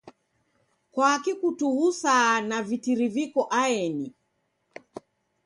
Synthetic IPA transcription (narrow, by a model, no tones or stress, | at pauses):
kwaːkikutuusanavitiɾivikɔʔaɛni